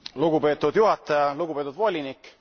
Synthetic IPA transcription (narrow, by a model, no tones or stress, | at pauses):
luɡ̥upe̞ːt̪ːˑud̪juɦɑt̪ːˑɑjɑluɡupeːt̪ud̪vo̞lʲinikːˑ